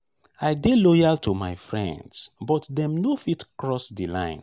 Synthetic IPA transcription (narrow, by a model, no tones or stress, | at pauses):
ajdelɔjaltʰuma̰ɪfɹɛ̰̃ndsbɔtdɛ̃mnofitkɹɔsdilã̰ɪ̃n